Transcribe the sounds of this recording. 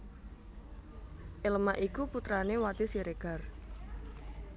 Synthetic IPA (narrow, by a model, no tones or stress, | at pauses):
ʔɪlmaʔikuput̪ɾanewat̪isiɾeɡ̥a̤r